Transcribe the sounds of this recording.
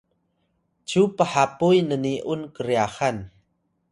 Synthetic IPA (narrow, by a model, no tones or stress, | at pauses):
t͡ɕupəħapujnəniʔunkəɾiaxan